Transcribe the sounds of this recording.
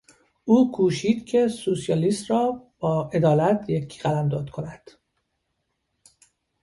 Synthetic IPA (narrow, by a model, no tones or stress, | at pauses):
ʔuːkʰuːʃiːd̪cʰe̞susijɒːlist̪rɒːb̥ɒːʔe̞d̪ɒːlæt̪ʰjecʰːɢælæmd̪ɒːd̪kʰonæd̪̥